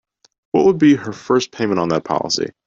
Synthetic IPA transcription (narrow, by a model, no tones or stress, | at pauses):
wʌʔ̚wəd̚biə˞fɜ˞spʰẽɪ̃mə̃ñtn̩ðət̚pʰɑ̰lˠə̰sḭ